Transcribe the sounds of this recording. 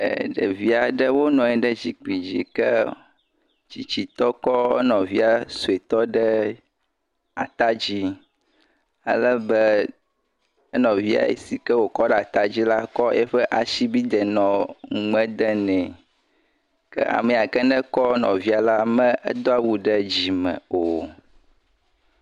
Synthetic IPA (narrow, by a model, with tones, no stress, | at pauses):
ɛ̰˨ɖə̰˨vi˦a˨ɖɛ˦wo˦nɔ̃˨ɛ˨ɖɛ˦d͡ʑi˨k͡pi˨d͡ʑi˨kɛ˦ | d͡ʑi˨t͡ɕi˨t̪ɔ˦kɔ˦ɛ̰˦nɔ̃˨vi˦a˨su˨e˨t̪ɔ˦ɖɛ˦ | a˨t̪a˦d͡ʑi˦ | a̰˨lə˦bɛ˦ | ə˦nɔ̃˨vi˦a̰˨ḛ˨si˨kɛ˦wo˨kɔ˦ɖɛ˦˨a˨t̪a˦d͡ʑi˦la˦kɔ˦ɛ˦ɸɛ˦ʔa˨ʃi˦bi˦d̪ɛ˨nɔ̃˨ŋ˨ŋ͡mɛ̃˦d̪ɛ˦nɛ̃˨ | kɛ̰˦ʔa̰˨mɛ˨a˨kɛ˦nɛ̃˦kɔ˦nɔ̰̃˨vi˦a˨la˦mɛ̃˦ɛ̰˦d̪o˦a˦wu˦ɖɛ˦d͡ʑi˨mɛ̰̃˨o˨